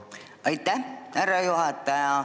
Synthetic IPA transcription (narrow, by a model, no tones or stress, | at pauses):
ɑjt̪ːæhærːɑjuhɑt̪ːɑjɑ